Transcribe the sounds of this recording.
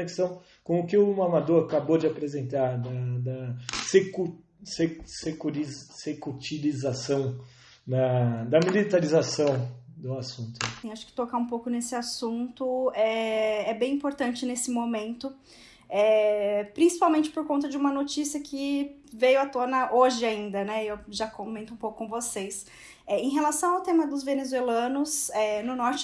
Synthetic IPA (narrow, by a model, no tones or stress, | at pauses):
neksɐ̃w̃ | kõʊkɪʊmamad̪oɾakabod͡ʒɪapɾezẽnt̪aɾd̪ɐd̪ɐseku | sesekuɾizsekut͡ʃilizasɐ̃w̃ | d̪ɐd̪ɐmilit̪aɾizasɐ̃w̃d̪ʊasũnt̪ʊsĩaʃʊ̥kɪ̥t̪okaũpowkʊnesɪasũnt̪ʊɛɛbẽj̃ĩpoɾt̪ɐ̃nt͡ʃɪnesɪmomẽnt̪ʊ | ɛpɾĩsi̥pawmẽnt͡ʃɪ̥poɾkõnt̪ɐd͡ʒɪũmɐnot͡ʃisiɐkʰɪ | vejʊɐt̪onɐʔoʒɪaĩnd̪ɐnɛewʒakõmẽnt̪ʊũpowkʊ̥kõvosejs | ɛẽj̃ɦelasɐ̃w̃awt̪ẽmɐd̪ʊzvenezuelɐ̃nʊsɛnʊnɔɾt͡ʃɪ